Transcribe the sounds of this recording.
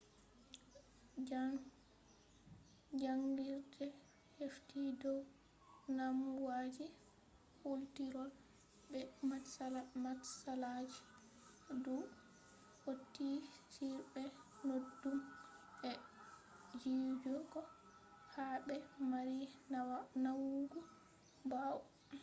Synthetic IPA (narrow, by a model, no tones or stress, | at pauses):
d͡ʒaŋɡiɾdɛ | heftidɔw | namwad͡ʒi | hultiɾɔl | bɛmaalmatsalad͡ʒi̥ | du | ʔotːisiɾbɛ | nodːumɛ | d͡ʒid͡ʒɔɡɔ | habɛmaɾinawanawuɡɔ | baw